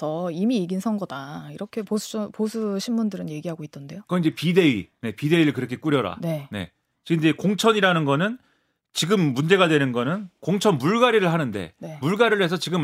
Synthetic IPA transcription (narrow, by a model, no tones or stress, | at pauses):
tʰʌimiːɡinsʰʌŋɡʌdaiɾʌkʰe̞pouposʰuɕʰimːundɯɾɯnje̞ɡiɦaɡoit͈ʌnde̞jok͈ʌind͡ʑe̞pide̞ine̞pide̞iɾɯɭkɯɾʌkʰe̞k͈uɾjʌɾa̰ne̞ne̞̰ | t͡ɕind͡ʑekoŋt͡ɕʰʌɲiɾanɯnɡʌnɯn | t͡ɕiɡɯmːund͡ʑe̞ɡadwe̞nɯnɡʌnɯnkoŋt͡ɕʰʌnmuɭɡaɾiɾɯɭɦanɯnde̞̰ne̞muɭɡaɾɯɭɦe̞s̬ʰʌt͡ɕiɡɯm